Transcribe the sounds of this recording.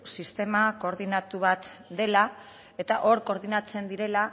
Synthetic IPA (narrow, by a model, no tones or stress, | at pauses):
sist̪e̞mako̞ɾð̞inat̪uβat̪d̪e̞la | e̞t̪aʔo̞ɾko̞ɾð̞inat͡se̞nd̪iɾe̞la